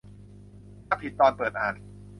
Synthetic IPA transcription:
a˦˥˩k̚pʰi˨˩t̪ːɔː˧npɤː˨˩t̪̚ʔaː˨˩n

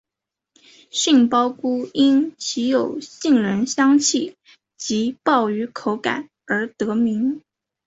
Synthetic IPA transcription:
ɕi˥˩ŋpɑ˥ʊku˥i˥nt͡ɕʰi˧˥jo˨˩ʊɕi˥˩ŋɻə˧˥nɕjɑ˥ŋt͡ɕʰi˥˩ | t͡ɕi˧˥pɑ˥˩ʊy˧˥kʰo˧˥ʊka̰˨˩˦n | ə˞˧˥t̪ɤ˧˥mi˧˥ŋ

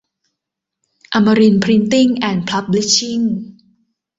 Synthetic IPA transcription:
ʔa˧ma˧ɾi˧npʰɾi˧˥nt̪i˥˩ŋʔɛː˨˩npʰla˦˥p̚bli˦˥t͡ɕːi˥˩ŋ

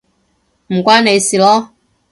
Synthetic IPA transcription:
m̩˨kwa˦nɛ˨i˨si˨lɔ˦

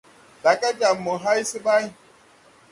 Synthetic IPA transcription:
da˨ka˦d͡ʒa˨mːɔ˨ɦa˦jsi˦ba˦j

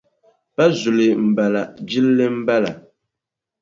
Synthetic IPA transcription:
pa˦zu˨lɪ˨m̩˨ba˨la˨d͡ʒi˦lːɨ˦m̩˦ba˦la˨

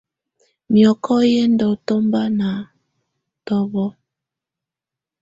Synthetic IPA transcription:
mjɔ˨kɔ˦je˦ndɔ˨to˦mba˦na˨ | tɔ˦βɔ˦

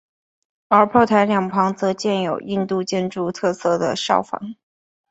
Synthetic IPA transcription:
ə˞˧˥pʰo˥˩ʊt̪ʰa˧˥ɪljɑ˨˩ŋpʰɑ˧˥ŋt͡sɤ˧˥t͡ɕjɛ˥˩njo˨˩ʊʔi˥˧nt̪u˥˧t͡ɕjɛ˥nʈ͡ʂu˥˧t̪ʰɤ˥˧sɤ˥˩d̪ə˩ʂɑ̰˥˩ʊfɑ̰˨˩˦ŋ

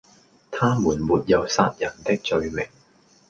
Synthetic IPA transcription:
t̪ʰaː˥muː˨˩nmuː˨˩t̚jɐ˨˩wsaː˧t̚jɐ˨˩nt̪ɪ˥k̚t͡sɵ˧ɥmɪ˨˩ŋ

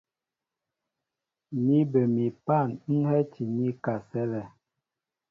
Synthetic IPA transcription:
mi˦bə˨mi˨pa˦˨n˦n̩˦hɛ˦ti˨mi˦ka˨sɛ˦lɛ˨

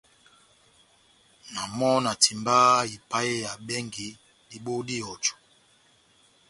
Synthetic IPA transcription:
na˨mɔ˦na˨tʰi˨mba˦i˨pa˦e˦ja˨bɛ˦ŋɡi˨ | di˨bo˦di˦ɔ˨t͡ʃu̥˨

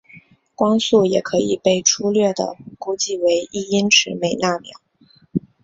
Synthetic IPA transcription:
kwɑ˥ŋsu˥˩jɛ˨˩kʰɤ˧˥i˨˩pe˥˩ɪʈ͡ʂʰu˥lɥɛ˥˩d̪ə̰˩ku˥t͡ɕi˥˩we˧˥ɪi˥˩i˥nʈ͡ʂʰɻ̩˧˥me˨˩ɪna˥˩mjɑ̰˨˩˦

